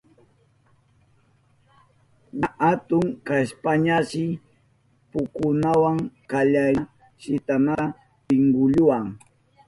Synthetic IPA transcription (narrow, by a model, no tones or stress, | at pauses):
ɲaʔat̪ʊŋkaspaɲaʃɪ | pʊkʊnawaŋkaʎa | ʃɪt̪ana | pɪŋɡʊʎʊwaŋ